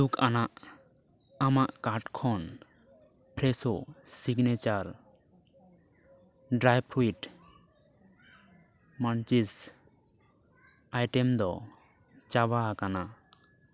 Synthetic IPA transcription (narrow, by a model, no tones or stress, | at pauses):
ukanaʔ | amaʔkaɾʈkʰɔn | pʰɾɛsosiɡnɛt͡ʃaɾ | ɖɾajpʰɾuiʈ | mant͡ʃis | ajʈɛmd̪ɔ | t͡ʃabakana